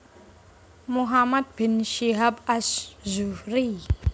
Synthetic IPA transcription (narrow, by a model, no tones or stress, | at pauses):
muɦamad̪̚binʃeɦabaszuɾi